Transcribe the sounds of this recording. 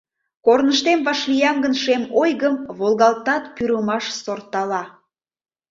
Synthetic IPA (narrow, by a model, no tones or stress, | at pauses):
kornəʃt̪emβɑʃlijɑmɡənʃemojɣəmβolˠɣɑlt̪ɑt̪pyɾəmɑʃsort̪ɑlɑ